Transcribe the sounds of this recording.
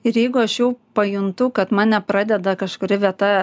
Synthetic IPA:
ɪɾjɛɪɡʊɐʃjɛʊpɐjʊnt̪ʊkɐt̪mɑːnʲɛpɾɑːd̪ʲɛd̪ɐkɐʃkʊɾʲɪʋʲiɛt̪ɑ

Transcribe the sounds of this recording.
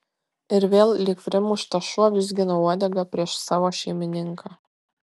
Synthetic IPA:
ɪɾʋʲeːlˠlʲɪkʋʲɾʲɪmʊʃt̪ɐʃuɔʋʲɪzʲɡʲɪnɔuɔd̪ʲɛɡɐpʲɾʲiɛʃsɑːʋoːʃʲɛɪmʲɪnʲɪŋkʰɑː

